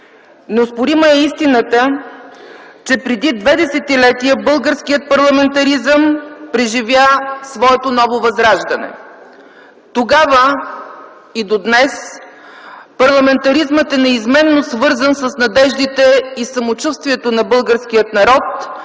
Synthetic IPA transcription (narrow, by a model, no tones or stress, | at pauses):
nospʊɾiməɛist̪inət̪ə | t͡ʃɛpɾɛd̪id̪vɛd̪ɛsɛt̪ilɛt̪ijəbɤlˠɡəɾskijət̪̚pɐɾlˠɐmɛnt̪ɐɾizəmpɾɛʒivʲjasvɔɛt̪onɔvovɐzɾaʒd̪ɐnɛ̰ | t̪oɡavə | id̪od̪nɛs | pɐɾlˠɐmɛnt̪ɐɾizmət̪ɛnɛizmɛnːosvɤɾzənsəsnɐd̪ɛʒd̪it̪ɛisɐmot͡ʃust̪viɛt̪onɐbɤlˠɡəɾskijət̪nɐɾɔt̪